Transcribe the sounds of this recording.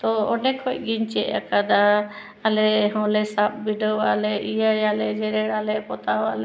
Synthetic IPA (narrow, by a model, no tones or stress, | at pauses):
t̪ɔɔɖɛkʰɔc̚ɡiɲt͡ʃɛʔakad̪aː | lɛɦɔ̃lɛsap̚biɖəwalɛʔijajalɛd͡ʒɛɾɛɽalɛpɔt̪awalɛ